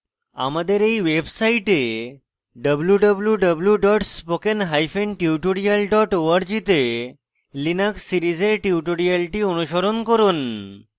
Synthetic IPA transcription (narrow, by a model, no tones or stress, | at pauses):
a̰mad̪eɾejwebsajʈe | ɖəbljuɖəbljuɖəbljuɖɔʈspokenɦajfʰenʈiuʈoɽialɖɔʈoaɾd͡ʑit̪e | linakssiɾid͡ʑeɾʈiuʈoɽialʈionuʃoɾonkoɾun